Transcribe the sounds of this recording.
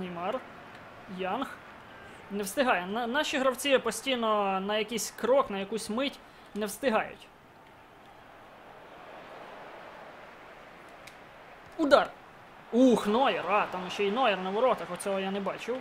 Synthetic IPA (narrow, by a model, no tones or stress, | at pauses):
nɪjmɑr | jɑnx | nɛwst̪ɪɦɑjɛnnɑʃiɦɾɐwt͡sʲipɔsʲtʲijnɔnɐjɐkijsʲkɾɔknɐjɐkusʲmɪtʲ | nɛwst̪ɪɦɑjʊ̰tʲ | ud̪ɑr | uxnɔjɛrɑt̪ɑmjɔʃt͡ʃːɛinɔjɛrnɐʋɔɾɔt̪ɐxɔt͡sʲɔɦɔjanɛbɑt͡ʃɪw